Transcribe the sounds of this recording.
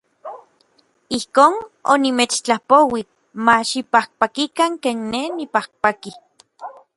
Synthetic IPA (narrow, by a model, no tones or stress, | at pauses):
ihkoːno̰nimet͡ʃt͡ɬapowik̚ | maʃipahk̚pakikaŋkeːnːenipahk̚paki